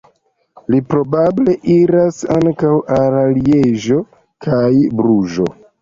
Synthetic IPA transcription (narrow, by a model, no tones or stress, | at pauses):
lipɾo̞bable̞ʔiɾasaŋkawalalieʒo̞ | kʰajbɾuʒo̞̰